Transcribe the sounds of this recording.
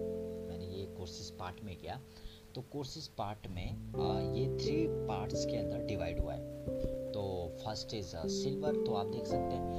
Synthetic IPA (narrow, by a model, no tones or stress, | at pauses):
mɛ̃ːnejekoːɾsɪspaːɾʈmẽkijaː | t̪okoːɾsɪspaːɾʈmẽjet̪ʰɾiːpaːɾʈskeɐ̃nd̪əɾɖɪʋaːɪɖɦua̰ɦɛ̰ːt̪oːfʰɐsʈeːzsɪlʋəɾt̪oaːp̚d̪eːkʰsɐk̚t̪eɦɛ̃